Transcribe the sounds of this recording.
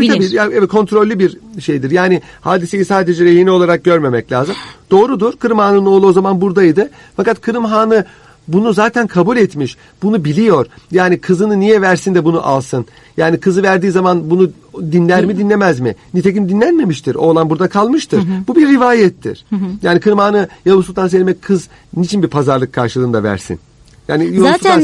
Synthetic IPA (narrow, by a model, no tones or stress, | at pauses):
t̪ʰabiːaɛvɛkʰo̞nt̪ɾo̞lʲːibiɾʃe̞jd̪iɾjaːnɪhaːd̪isejisaːd̪e̞d͡ʒɛɾejiniolˠaɾak̚ɟø̞ɾme̞mɛclʲa̰ːzɯmd̪̥o̞ːɾud̪uɾ̥kɯɾɯmhaːnɯnɯo̞lˠuozamanbuɾd̪ajid̪ɯ | fakat̪kʰɯɾɯmɦaːnɯ | bunuzaːt̪ʰænkʰabulʲɛt̪miʃ | b̥unubilʲijo̞ɾjaːnikʰɯzɯnɯnijɛvæɾsind̪ɛbunṵʔa̰lˠsɯn | jaːnikʰɯzɯvæɾd̪iːzamanbunu | d̪inlʲæɾmid̪inlʲemæzminit̪ʰec̬ind̪inlʲænme̞miʃt̪ʰiɾo̞ːlˠanbuɾd̪akʰalˠmɯʃt̪ʰɯɾ̥bubiɾːivaːjɛt̪ːḭɾ̥jaːnikʰɯɾɯmhaːnɯjolˠusult̪ʰans̬elʲmɛckʰɯz | nit͡ʃʰinbiɾpʰazaɾlˠɯkʰːaɾʃɯlˠɯːnd̪avæ̰ɾsḭn | jaːnijolːsuaa